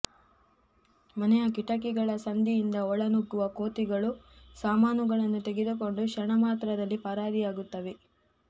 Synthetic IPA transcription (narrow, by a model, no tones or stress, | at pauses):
mɐnɛjɐkiʈɐkiɡɐɭɐsɐnd̪ijind̪ɐɔɭɐnuɡːuʋɐkoːt̪iɡɐɭusaːmaːnuɡɐɭɐnːut̪eɡed̪uk̬o̞ɳɖuʃɐɳɐmaːt̪ɾɐd̪ɐlːipɐɾaːɾijaːɡut̪ːɐʋe̞